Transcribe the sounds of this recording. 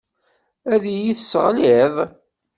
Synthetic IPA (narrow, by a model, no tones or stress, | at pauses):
æðijiθəsʁlɪðˤ